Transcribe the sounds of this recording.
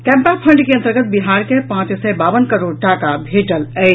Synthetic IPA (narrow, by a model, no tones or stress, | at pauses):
kɛ̃mpapʰə̃ɳɖkeənt̪əɾɡət̪̚biɦaɾkepãt͡ʃsɛbaʋənkəɾoɽʈakabʱeʈələɪ